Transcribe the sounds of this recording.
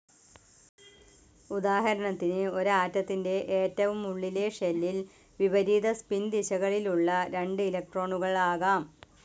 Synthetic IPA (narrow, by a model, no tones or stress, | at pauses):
ud̪aːɦɐɾɐɳɐt̪ːinɨo̞ɾaːtːɐt̪ːinde̞ʔeːtːɐʋumuɭːile̞ʂelːil | ʋibɐɾiːd̪ɐspind̪iɕɐɣɐɭiluɭːɐɾe̞ɳɖɨilɐk̚ʈro̞ːɳuɣɐɭaːɣaːm